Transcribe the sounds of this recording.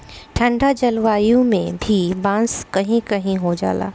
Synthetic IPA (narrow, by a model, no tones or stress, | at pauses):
ʈʰɐ̃ɳɖad͡ʒɐlʋaːjũmḛ̃bʱibãːnskɐɦĩkɐɦĩɦod͡ʒa̰ːla̰ː